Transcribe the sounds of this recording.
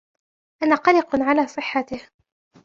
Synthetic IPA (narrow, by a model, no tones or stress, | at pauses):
ʔanaːqɑlɪqʕalaːsˤɨħːat̪ɪh